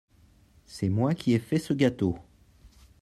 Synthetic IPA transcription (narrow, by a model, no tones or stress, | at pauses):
sɛmwakʲʰiɛfɛsəɡʲat̪o